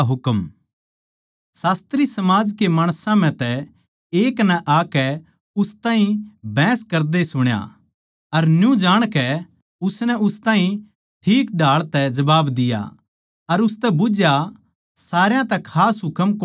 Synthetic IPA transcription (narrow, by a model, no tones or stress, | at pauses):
ɦʊkm | saːst̪ɾisɐmaːd͡ʒkemaːɽ̃sãm̤ɛ̃t̪ɛ | eːknɛʔaːkɛ | ʊst̪ãːɦĩbʱɛ̃ːskɐɾd̪esʊɽ̃ja̰ | ɐɾnjũd͡ʒaːɽ̃kɛ | ʊsnɛʊst̪ãːɦĩ | ʈʰiːk̚ɖʱaːɭt̪ɛd͡ʒɐbaːbd̪ɪja̰ | ɐɾʊs̬t̪ɛbʊd͡ʒja | saːɾjãt̪ɛkʰaːsɦʊkəmk